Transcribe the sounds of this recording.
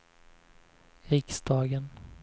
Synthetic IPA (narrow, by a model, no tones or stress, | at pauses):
ɪksd̪ɑːɡən